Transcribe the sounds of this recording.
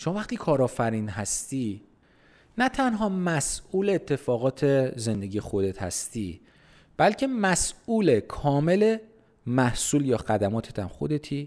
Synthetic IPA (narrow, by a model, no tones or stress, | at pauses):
ʃomɒːvæχt̪iːkʰɒːɾɒːfæɾiːnɦæst̪iː | næt̪ʰænɦɒːmæsuːleːt̪ʰːe̞fɒːɣɒːt̪ʰe̞ze̞nd̪e̞ɟiːjexo̞d̪e̞t̪hæ̰st̪iː | b̥ælcʰe̞mæsuːle̞kʰɒːme̞le̞ | mæhsuːljɒːɣæd̪æmɒːt̪ʰet̪ʰæmxo̞d̪e̞t̪ʰiː